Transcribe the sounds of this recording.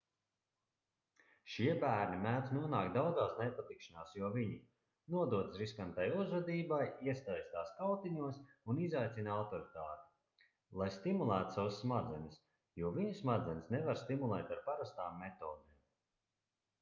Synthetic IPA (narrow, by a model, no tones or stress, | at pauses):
ʃiɛbæːɾnimæːt̪nuɔnaːkd̪awd̪zaːsnɛpat̪ikʃanaːsjuɔviɲi | nuɔd̪uɔt̪sɾiskant̪ajuzɾad̪iːbajiɛst̪ajst̪aːskalt̪iɲuɔsunizajt̪sʲinawt̪ɔɾit̪aːt̪i̥ | lˠajst̪imulˠæːt̪u̥sawsːmad̪zɛnʲis | juɔviɲusmad̪zɛnʲsnɛvaɾst̪imulˠɛːt̪aɾpaɾast̪aːmːet̪oːd̪eːm